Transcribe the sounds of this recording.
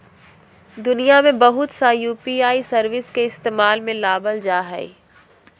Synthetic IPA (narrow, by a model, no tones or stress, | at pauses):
d̪ʊnijamẽbɐɦʊt̪sajuːpiaːisɐɾʋɪskeɪst̪eːmaːlmẽlaːbəld͡ʒaːɦɛi